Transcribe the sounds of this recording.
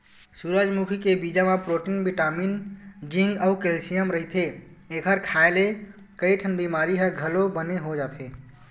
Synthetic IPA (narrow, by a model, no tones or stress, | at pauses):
suɾad͡ʒmukʰikebid͡ʒamapɾoʈinbiʈamind͡ʒĩŋɡəukelsijəmɾəɦit̪ʰe | ekʰəɾkʰaele | kəiʈʰənbimaɾiɦəɡʱəlobəneɦod͡ʒat̪ʰe